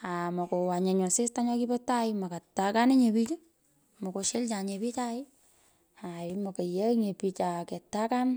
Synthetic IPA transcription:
amɔ˨ko˨wa˨ɲeɲɔ˨sɪ˦staɲɔ˦kipɛtaɪma˨ka˨tːakani˦ɲe˨pit͡ʃe˦ | mɔ˨ko˧ʃelt͡ʃaɲepi˦t͡ʃaɪ | aɪmo˨ka˨jeɲe˨pit͡ʃa˨kɛ˨tːa˦kan

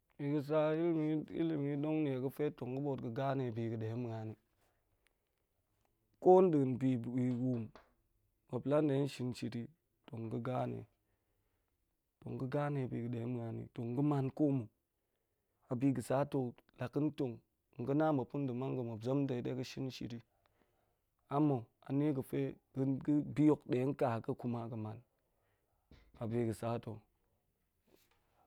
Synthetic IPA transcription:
i˨ɡə˦s̬a˦i˦lmi˦ḭ˦li˨mi˦do˦ŋni˨e˨ɡə˦fe˦to˨ŋɡə˦bo˦˨tɡə˨ɡa˦ne˨bi˨ɡə˨de˨je˦m˨ɡa˨ni˦ | ko˦n˦dɨ˨ɡn˨bi˨wi˨wu˨m | ba˨pla˦n˦de˨˦n˦ʃi˦nt͡ʃi˨ti˦ | to˨ŋ˨ɡə˦ɡa˦nḛ˨ | to̰˨ŋɡə˦ɡa˦ne˨bi˨ɡə˨de˨˦m˨ɡa˨˦nḭ˨to˨ŋ˨ɡə˦ma˦nko˦mu˨ | a˨bi˦ɡə˨sa˦to˨la˨kːə˦n˦to˨ŋ˨ | ŋ̩˨ɡə˦na˦mbə˨pu˦n˦dɨ˨ma˦ŋ˦ɡə˨mo˨bzo˦mde˨de˦kə˦ʃi˦n˦ʃḭ˨ɾi˦ | a˦mo˨ | a̰˨ne˦ɡə˨fe˦ɡɡə˦bi˦jo˨kɗe˨˦ŋ̩˦ka˨kə˦ku˦ma˨kə˨ma˨n | a˨bi˨ɡə˨sa˦to˨

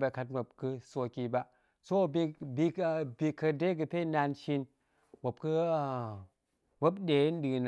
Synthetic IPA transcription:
ba˧ka˧t̚mʷo˨p̚kɨ˧so˧ki˧ba˧ʔ | so˦˨bi˧bi˧bi˧kə˧de˦k̬ɨ˧pe˦˨na˧nʃi˧n | mʷo˨p̚kɨ˧˨ | bo˦bɗe˨˦n̩˦ɗɨ˧n˨

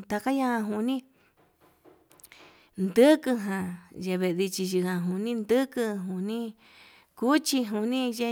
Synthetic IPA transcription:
t̪a˧ka˦ɲa˦hã˧ɦu˧nĩ˦ | nd̪ɨ˦kɨ˧ɦã˨˧ʒe˧βe˧ʔði˧t͡ʃi˧ʒi˧hã˧ɦu˧nĩ˦nd̪ɨ˦kɨ˧ɦu˧nĩ˦ | ku˦t͡ʃi˧ɦu˧nĩ˦ʒe˧

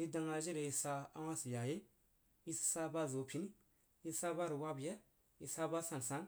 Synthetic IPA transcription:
ji˦da˨ŋa˨ʒe˦ɾe˨ji˨˦sa˦a˦wa˦si˨ja˨je˦ | ji˦si̥˨sa˦ba˦zo˨pʲi˨˦ni˦ | ji˦sa˦ba˦ɾi˨wa˦bjɛ˦ | i˨sa˦ba˦sa˨n˨sa˨˦n

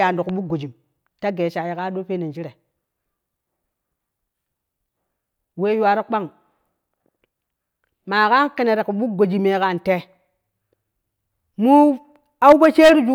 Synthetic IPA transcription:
a˨n˨do˨ku˨ɓu˦ɡo˨d͡ʒi˨m | ta˦ɡe˨ʃa˨ji˨ka˦ɗo˦pe˦ne˨d͡ʒi˦ɾe˨ | we˦ju˦a˦ɾe˦k͡pa˦ŋ | ma˨ka˦ki˦ne˨ɾe˨ku˨ɓu˦ɡo˨d͡ʒi˨me˨ka˨nte˨ | mu˦ | a˦u˦pe˦t͡ʃe˦ɾi˦d͡ʒu˦

